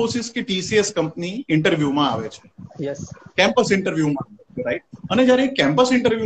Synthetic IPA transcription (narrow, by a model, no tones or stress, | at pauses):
oɾsɪskiʈisieskə̃mpniɪ̃ɳʈəɾʋjuːmãaʋet͡ʃʰe̥jkɛ̃mpəsɪ̃ɳʈəɾʋjuːmã | ɾaɪʈ̚əned͡ʒjaɾeːkːɛ̃mpəsɪ̃ɳʈəɾʋju